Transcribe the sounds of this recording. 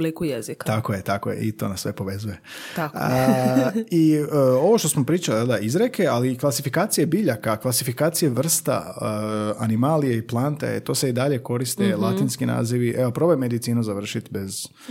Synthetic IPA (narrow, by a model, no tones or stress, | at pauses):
blikujezikt̪akojet̪akojḛʔḭt̪o̞̰ːnasːʋepo̞ʋe̞zuje̞t̪ak | io̞ʋo̞ʃt̪o̞smopɾiːt͡ʃaliad̪aizɾeke̞aliklasifikaːt̪sijebiʎakaklasifikaːt̪sijeʋr̩st̪a̰ | animaːlijeiplˠant̪a̰ḛt̪o̞ːseid̪aʎe̞ko̞ɾist̪elˠat̪inskina̰ːziʋiʔeopɾo̞bojmed̪it̪siːnuzaʋr̩ʃit̪bez